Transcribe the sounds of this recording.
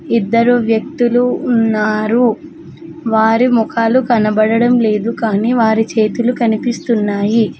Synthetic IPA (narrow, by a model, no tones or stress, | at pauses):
id̪ːɐɾuʋjɐk̚t̪uluːnːaːɾu | ʋaːɾimɔkʰaːlukɐnɐbɐɽɐɽɐmle̞ːd̪ukaːniːʋaːɾit͡ʃe̞ːt̪ulukɐnipist̪unːaːji